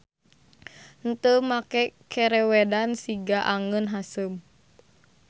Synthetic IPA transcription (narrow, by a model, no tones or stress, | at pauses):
n̩t̪əmakɛkʰɛɾɛwɛdansiɡaʔaŋənɦasəm